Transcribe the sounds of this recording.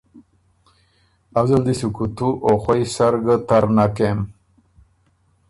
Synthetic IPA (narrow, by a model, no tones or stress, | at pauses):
awzald̪isukut̪uʔoxwojsaɾɡət̪aɾnakem